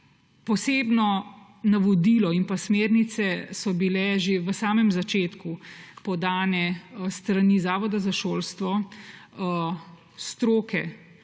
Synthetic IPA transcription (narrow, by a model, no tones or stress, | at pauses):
pɔseːbnɔ | naʋɔd̪iːlɔimpasmeːɾnit̪sɛsɔbilɛʒeʋəsaːmɛmzat͡ʃeːt̪kupɔd̪aːnɛst̪ɾaniːzaːʋɔd̪azaʃoːlst̪ʋɔ | st̪ɾoːkɛ